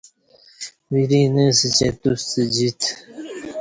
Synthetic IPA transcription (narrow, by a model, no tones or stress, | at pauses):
wiɾineːsət͡ɕet̪ust̪ed͡ʑit̪ʰ